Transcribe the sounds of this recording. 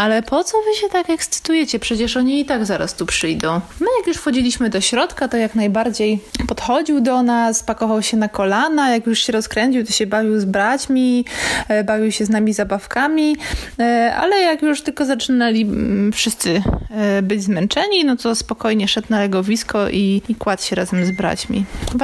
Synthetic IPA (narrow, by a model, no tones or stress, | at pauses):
alɛpʰɔt̪sɔvɘɕɛt̪akɛkst̪sɘ̥t̪ujɛt͡ɕɛpʂɛt͡ɕɛʂɔɲiit̪aɡzaɾa̰st̪upʂɘjd̪ɔ̃w̃mɘjakjuʂfxɔd͡ʑilʲiɕmɘd̪ɔɕɾɔt̪kat̪ɔjaknajbaɾd͡ʑejpɔt̪xɔd͡ʑiwd̪ɔnaspakɔvawɕɛnakɔlanajakjuʂɕɛɾɔskɾɛɲt͡ɕiwt̪ɔɕɛbavʲiwzbɾat͡ɕmʲi | bavʲiwɕɛznamʲizabafkamʲi | a̰lɛjakjuʂt̪ɘlkɔzat͡ʂɘnalʲifʂɘst̪sɘbɘd͡ʑzmɛnt͡ʂɛɲinɔt̪ɔspɔkɔjɲɛʂɛt̪nalɛɡɔvʲiskɔʔiikwat̪ɕɛɾazɛmzbɾa̰t͡ɕmʲḭ